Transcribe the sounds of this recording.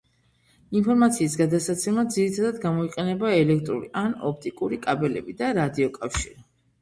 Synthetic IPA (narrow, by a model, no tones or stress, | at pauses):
inpʰɔɾmat̪sʰiːs̬ɡad̪atsat̪sʰɛmad̪ziɾit̪ʰad̪ad̪ɡamɔiqʼɛnɛbaɛlɛk̚ʰt̪ʼɾṵɾḭʔanɔp̚ʰt̪ʼikʼuɾikʼabɛlɛ̰bid̪aɾad̪iɔkʼafʃiɾi